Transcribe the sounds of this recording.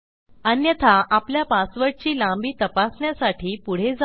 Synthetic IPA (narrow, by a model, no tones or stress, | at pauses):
ənjət̪ʰaʔapljapasʋəɽt͡ɕiːlãmbiːt̪əpasɳjasaʈʰiːpuɽ̤ed͡za